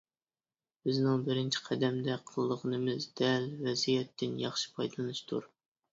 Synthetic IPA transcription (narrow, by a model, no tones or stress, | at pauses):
b̥ɪznɪŋbɪɾɪnt͡ʃʰi̥qʰæd̪ɛmd̪ɛqʰəlˠɨd̪əʁənɨmɨzd̪ɛlvɛzijɛt̪ːɪnjɑχʃɨ̥pʰɑjd̪ɨlˠɨnɨʃt̪ʰuɾ